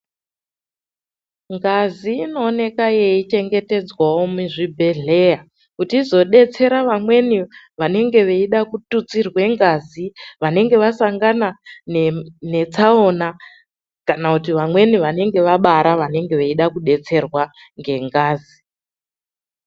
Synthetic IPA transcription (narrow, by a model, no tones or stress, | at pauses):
ŋɡaziːno̞ːne̞kajeit͡ʃe̞ŋɡe̞te̞d͡zwawo̞muʐibʱe̞ɮe̞ja | kutiːzo̞ɗe̞t͡se̞ɾaʋamwe̞ni | ʋane̞ŋɡe̞ʋe̞iɗakutut͡sirwe̞ŋɡaziʋane̞ŋɡe̞ʋasaŋɡananene̞t͡sao̞na | kanakutiʋamwe̞niʋane̞ŋɡe̞ʋaɓaɾaʋane̞ŋɡe̞ʋeiɗakuɗe̞t͡se̞rwa | ŋɡe̞ŋɡaːzi